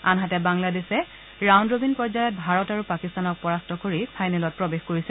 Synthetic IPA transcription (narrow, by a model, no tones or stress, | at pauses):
a̰nɦatɛbaŋladesɛ | ɹawndɹobinpɔɹzajɔt̚bʱaɹɔtaɹupakistanɔk̚pɔɹastɔkoɹipʰajnɛlɔt̚pɹɔbexkoɹisɛ